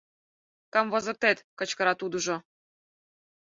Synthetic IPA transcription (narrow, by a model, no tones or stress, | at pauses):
kə̆mvŏzɤ̆rt̪et̪kə̆t͡ɕkɤ̆ɾɑt̪ud̪uʒŏ